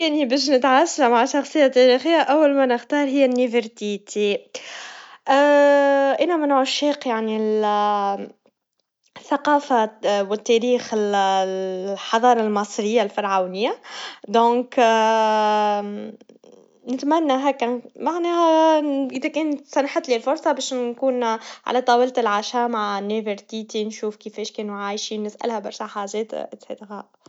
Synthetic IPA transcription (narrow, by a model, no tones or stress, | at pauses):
kænibɛːʃ̬nɪt̪ʕasːamaʕaʃɑxsˤɨjːat̪ːæɾixɪjːaʔawːalmænɪxt̪ɑːɾˤɦɪjːænːivəɾt̪it̪ʰi | ʔ | ʔɪnæmɪnʕʊʃːiːqjaʕnil | θːaqɑːfawɪt̪ːæɾiːxɪl | ħɑðˤɑːɾˤɑlmɑsˤɾɪjːalfɑɾˤʕawnɪjːad̪ɔ̃ːk | nɪt̪mænːaɦæːkæmaʕnɛːhæʔɪðækɛːnsænħət̪ːˤlilfʊɾˤsˤɑbɛːʃkuːnʕa̰læt̪ˤɑːwilt̪ɪlʕaʃamaʕnːavəɾt̪it̪inʃuːfkifɛːʃkɛːnuʕaːjʃinɪsʔæ̰lhæbɑɾˤʃaħaːʒɛːt̪ʔɪt̪sḛt̪ɣaʔ